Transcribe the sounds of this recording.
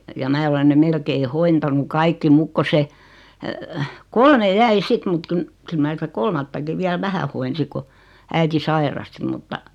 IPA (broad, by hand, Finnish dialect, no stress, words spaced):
jɑ mæː olen ne melkei hointɑnu kɑikːi muk ko se kolme jæi sit mut kun kyl mæ sitæ kolmɑtːɑki ʋiæl ʋæhæ hoinsi ku æiti sɑirɑsti mutːɑ